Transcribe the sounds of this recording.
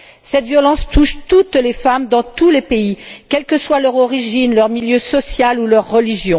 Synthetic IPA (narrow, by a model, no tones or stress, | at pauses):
sɛt̪vjɔlɑ̃st̪uʃt̪ut̪lefamd̪ɑ̃t̪ulepeikʲɛlkəswalœʁɔʁiʒinlœʁmiljøsɔsjalulœʁːəliʒjɔ̃